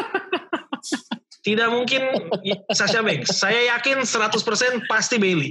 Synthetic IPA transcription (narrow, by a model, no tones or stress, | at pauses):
t̪idaʔ̚muŋkɪnsaʃabɛŋsajajakɪnsəɾat̪ʊspərsɛnpast̪ibeli